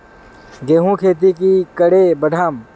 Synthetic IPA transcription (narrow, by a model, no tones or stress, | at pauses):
ɡeːɦũkʰeːt̪̬ikikɐɽebɐɖʱam